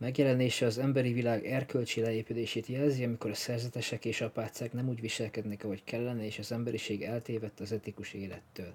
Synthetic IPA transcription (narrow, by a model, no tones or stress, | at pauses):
mɛɡjɛlɛneːʃɛɒzɛmbɛɾivilaːɡɛrkølt͡ʃelɛeːpileːʃeːt̪jɛlziɒmiko̞ɾɒsɛrzɛt̪ɛʃɛkeːʃɒpaːt̪saknɛmuːɟʋiʃɛlkɛd̪nɛkɒɦo̞ckʰɛlːɛnɛeːʃɒzɛmbɛɾiʃeːɡɛlt̪eːvɛt̪ːɒzɛt̪ikuʃeːlɛt̪ːøːl